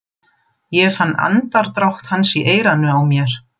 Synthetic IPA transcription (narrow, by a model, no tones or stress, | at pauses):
jɛfanːa̰nt̪aɾ̥t̪ɾawht̪hansiʔeːjɾanʏawmjɛɾ̥